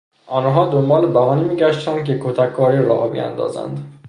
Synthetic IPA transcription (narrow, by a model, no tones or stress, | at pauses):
ʔɒːnɦɒːd̪ombɒːlebæɦɒːniːmiːɟæʃt̪ænd̪̚cʰekʰot̪ʰækʰːɒːɾiːɾɒ̰ːhbḭjæ̰nd̪ɒ̰ːzæ̰nd̪